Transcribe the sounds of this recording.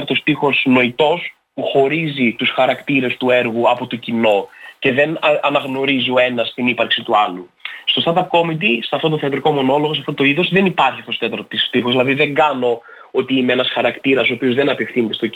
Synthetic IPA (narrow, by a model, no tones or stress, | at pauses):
t̪ost̪ixo̞zno̞it̪o̞s | puxo̞ɾizit̪usxɐɾɐkt̪iɾe̞st̪ue̞ɾɣuɐpo̞t̪ocino̞ce̞ðe̞nɐnɐɣno̞ɾizioe̞nɐst̪inipɐɾksit̪uɐlu | st̪o̞st̪ɐd̪ɐp̚ko̞mid̪iseɐft̪o̞t̪oθeɐt̪ɾiko̞mo̞no̞lo̞ɣos̬ɐft̪ot̪o̞iðo̞zðe̞nipɐɾçiɐft̪osot̪et̪ɐɾt̪isft̪ixozðilɐðiðe̞ŋɡɐno̞ | o̞t̪iimeenɐsxɐɾɐkt̪iɾɐsoopio̞zðenɐpe̞fθinet̪e̞st̪o